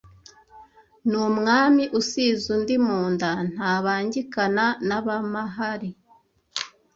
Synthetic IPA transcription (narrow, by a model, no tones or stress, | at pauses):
numŋaːmiʔusiːzundimuːndan̥haːβaːɲɟikananaβamaɦaɾi